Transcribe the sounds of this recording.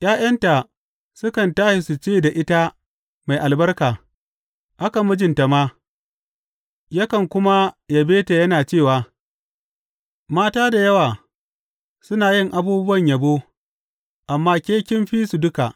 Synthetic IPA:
j̰ʔaː˦j̰ɐ˦nta˨ | sʊ˦kɐ˨ntaː˦ʃi˨su˨t͡ʃeː˦˨da˨ʔɪ˦ta˦ | ma˨jʔa˨lbɐ˦rkaː˨ | ʔa˦ka˨mʊ˦d͡ʒɪ˨nta˨maː˦ | jɐ˦kɐ˨ŋkʷʊ˦ma˦ja˨beː˦ta˨jɐ˦naː˨t͡ʃeː˦˨waː˨ | maː˦taː˦da˨jɐ˦waː˨ | sʊ˦naː˨jɪ˦˨ŋʔa˨buː˦bʊ˦wɐ˨ɲja˨boː˦ | ʔa˨mːaː˦kʲeː˦kʲɪ˦mɸiː˦su˨dʊ˦ka˨ʔ

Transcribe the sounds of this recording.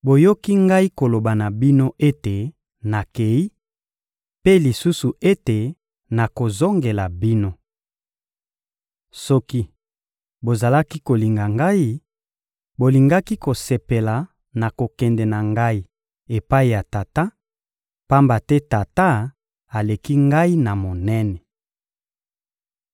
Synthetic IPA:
bo˨jo˦ki˦ŋɡa˦i˦ko˨lo˨ba˨na˨bi˦no˦ʔe˦te˨ | na˨ke˨i˦ | pe˦li˨su˦su˨e˦te˨ | na˨ko˨zo˦ŋɡe˨la˨bi˦no˦ | sɔ˦ki˦ | bo˨za˨la˦ki˦ko˨li˨ŋɡa˨ŋɡa˦i˦ | bo˨li˨ŋɡa˦ki˦ko˨se˨pe˨la˨ | na˨ko˨kɛ˨ndɛ˨na˨ŋɡa˦i˦ | e˨pa˦i˨ja˨ta˨ta˦ | pa˦mba˨tɛ˦ta˨ta˦ | a˨le˨ki˦ŋɡa˦i˦na˨mo˨nɛ˦nɛ˨

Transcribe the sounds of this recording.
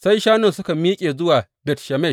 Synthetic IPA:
sa˦jʃaː˦nɪ˨nsʊ˦ka˨miː˦kʲʼeː˨zʊ˦waː˨ | bɛ˨tʃɐ˨mɛ˦˨

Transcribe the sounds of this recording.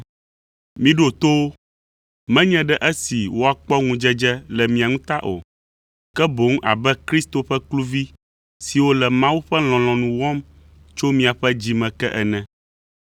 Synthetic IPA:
mĩ˨ɖo˨t̪o˦wo˦ | mɛ̃˦ɲɛ̃˦ɖɛ˦ʔɛ˦si˨wo˦a˨k͡pɔ˦ŋũ˦d͡ʒɛ˦d͡ʒɛ˦lɛ˨mĩ˨a˨ŋũ˦t̪a˦ʔo̰˨ | kɛ˦bo˨˦ŋũ˦ʔa̰˨bɛ˦kɾi˦st̪o˨ɸɛ˦klu˦vi˦ | si˨wo˦lɛ˨mã˦wu˦ɸɛ˦l̃ɔ̃˨l̃ɔ̃˨nũ˨wɔ̃˦m | t͡ʃo˦mĩ˦a˨ɸɛ˦d͡ʑi˦mɛ̃˨kɛ˦ʔɛ˨nɛ̃˨

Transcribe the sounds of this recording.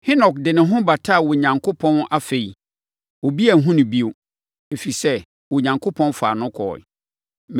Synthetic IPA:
hɪ˦nɔ˨kdɪ˨nɪ̃˨ɦʊ̃˦ba˨tʰa˦˨wɔ˨ɲã˨ŋkʰo˦pʰɔ̃˦na˦fe˨i˨ | wɔ˨bi˦æ˨ɦũ˦nʊ̃˨bi˦o˨ | e˨fi˨sɛ˦ | wɔ˨ɲã˨ŋkʰo˦pʰɔ̃˦nfa̰ː˨nʊ̃˦kʰɔ̰ː˨ | m

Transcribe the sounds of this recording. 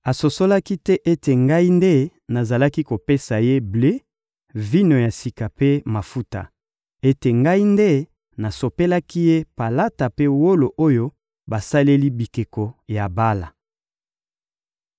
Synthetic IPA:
a˨so˨so˦la˦ki˦tɛ˦ʔe˦te˨ŋɡa˦i˦nde˦ | na˨za˨la˦ki˦ko˨pe˦sa˨je˦ble˦ | vi˦no˨ja˨si˨ka˨pe˦ma˨fu˦ta̰˨ | e˦te˨ŋɡa˦i˦nde˦ | na˨so˨pe˦la˦ki˦je˦pa˨la˦ta˨pe˦wo˦lo˨ʔo˦jo˦ | ba˨sa˦le˦li˦bi˨ke˨ko˨ja˨ba˦la̰˨

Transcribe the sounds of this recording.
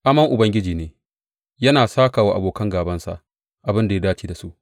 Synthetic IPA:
ʔa˦mɐ˦ŋʔʊ˨bɐ˦ŋɡʲɪ˦d͡ʒiː˨neː˨˦ | jɐ˦naː˨saː˦kaː˨wa˦ʔa˨boː˨kɐ˦ŋɡaː˨bɐ˦nsa̰˨ʔ | ʔa˨bɪ˦nda˨ja˦daː˦t͡ʃiː˦da˨su˦ʔ

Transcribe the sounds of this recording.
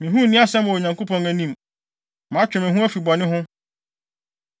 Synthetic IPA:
mɪ̃˨ɦũ˦˨nɪ̃˦a˦sɛ̃˦mɔ˨o˨ɲã˨ŋko˦pʰɔ̃˨ŋæ˨nĩ˦˨m | mã˨˦t͡ɕᶣɪ˨mɪ̃˨ɦũ˦æ˦fi˨bɔ˨nɪ̃˦ɦʊ̃˦

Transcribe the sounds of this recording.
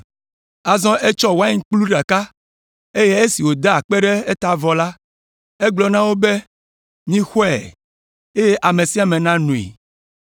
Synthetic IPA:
a˨zɔ̃˦ʔe˦t͡ʃɔ˦wa˦i˦ŋ̩˦k͡plu˦ɖa˨ka˦ | e˦je˦e˦si˨wo˨d̪a˦a˨k͡pe˦ɖɛ˦e˦t̪a˨vɔ˨la˦ | e˦ɡ͡blɔ˨nã˦wo˦be˦ | mĩ˦xɔ˦ɛ̰˨ | e˦je˦ʔa˨mẽ˨si˦a˨mẽ˨nã˦nũ˨ḛ˨

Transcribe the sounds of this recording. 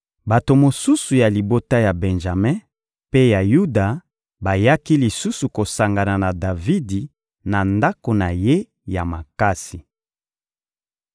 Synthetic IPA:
ba˨to˨mo˨su˦su˨ja˨li˨bo˦ta˦ja˨bɛ˨nʒa˨mɛ̃˦ | pe˦ja˨ju˦da˨ | ba˨ja˦ki˦li˨su˦su˨ko˨sa˨ŋɡa˨na˨na˨da˨vi˦di˨ | na˨nda˦ko˨na˨je˦ | ja˨ma˨ka˦si˨

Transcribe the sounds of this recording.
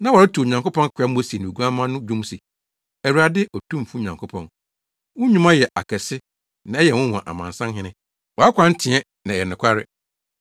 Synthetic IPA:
nã˦wɔ˨ɾa˦tʰu˨ɲã˨ŋko˦pʰɔ̃˦n˦kʰʊ˨˦a˨˦m̩˦o˨˦si˨nũ˨ɡu˦ã˦mã˦nʊ̃˦d͡ʑᶣũ˦msi˨ | ɛ˨wu˨ɾa˨dɪ˦ʔɔ˨tʰũ˦m˨fu˦ɲã˨ŋkʰo˦pʰɔ̃˨n | wʊ̃˦ɲũ˦mã˦jɛ˨ʔa̰˨kʰɛ˨sɪ˦ | nã˨˦ɛ˦jɛ˨wʊ̃˦w̃ã˨ʔa̰˨mã̰˨nsã˦ɦɪ̃˦nɪ̃˦ | wɔ˨a˦kʷʰã˦n̩˦tʰɪ̃˨ɛ˦ | nã˨ɛ˨nɪ̃˨kʷʰa˦ɾɪ̰˨

